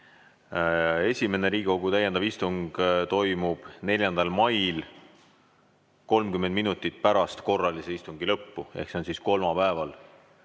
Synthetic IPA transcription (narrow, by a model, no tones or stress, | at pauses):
e̞sʲime̞ne̞ɾiːɡkoɡ̥ut̪æjend̪ɑvist̪uŋɡ̥t̪o̞jmub̥ne̞lʲjɑnd̪̥ɑlmɑjl | ko̞lmkymend̪̚minut̪ːˑit̪̚pæɾɑst̪ko̞rːɑlise̞ist̪uŋɡ̥ilɤpːuḛhkso̞nsisko̞lmɑpæevɑl